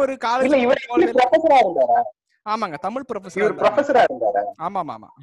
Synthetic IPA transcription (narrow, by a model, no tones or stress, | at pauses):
ɔɾɯkaːlɪlːɐɪʋɐɾɭiɾɐfɐsɐɾaːɪɾɯnd̪aːɾaː | aːmaːŋɡɐt̪ɐmɪɭpɪɾɐfɐsɪʋɐɾɯpɪɾɐfɐsɐɾaːɪɾɯnd̪a̰ːɾa̰ːaːmaːma̰ːma̰ː